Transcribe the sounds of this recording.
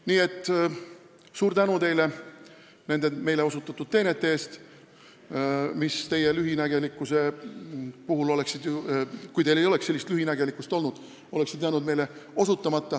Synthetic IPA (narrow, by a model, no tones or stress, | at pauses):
niːe̞t̪ːˑ | suːɾt̪ænut̪e̞jle̞ | ne̞nd̪̥e̞me̞jle̞o̞sut̪ːˑɑt̪ːˑud̪̥̚t̪ːe̞net̪ːˑe̞eːst̪ | mist̪e̞je̞lyɦinæɡ̥e̞likːˑuse̞ | puɦulo̞le̞ksid̪̥jukujt̪e̞jle̞jo̞le̞kse̞lːist̪lyhinæɡe̞likːˑust̪o̞lnud̪̥ | o̞le̞ksid̪jænud̪me̞jle̞o̞sut̪ˑːɑmɑt̪ˑːɑ